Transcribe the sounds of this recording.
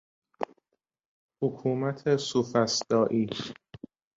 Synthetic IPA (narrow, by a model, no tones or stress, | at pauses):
hokʰuːmæt̪ʰesufæsd̪̥ɒːʔiː